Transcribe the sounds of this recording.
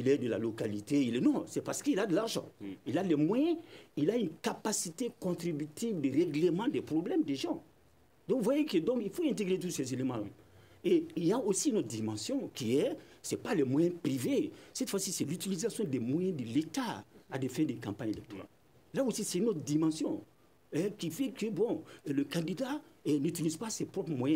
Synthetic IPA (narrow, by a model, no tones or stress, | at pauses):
ilɛd̪əla̰lokalit̪eilɛnɔ̃sɛpaʁsə̥kəilad̪əlaʁʒã̰ilalɛmwajɛ̃ilaynkapasit̪ekɔ̃t̪ʁibyt̪ivd̪əʁeɡlemɑ̃d̪ɛpʁoblɛmd̪eʒɑ̃ | d̪ɔ̃kvwajekəd̪ɔ̃kilfoɛ̃nt̪̬eɡʁet̪usɛzelemɑ̃la̰ | eiljaosinɔt̪d̪imɑ̃sjɔ̃kʲiɛsɛpalɛmwajɛ̃privesɛt̪fwasisɛlyt̪ilizasjɔ̃d̪ɛmwajɛ̃d̪əlet̪aad̪ɛfɛ̃d̪ɛkãpãɲelɛk̚t̪oʁa̰l | laosisɛynɔt̪d̪imɑ̃sjɔ̃ | ɛkifɛkøbɔ̃ləkãd̪id̪anyt̪ilizpasɛpɾɔpmwajɛ̃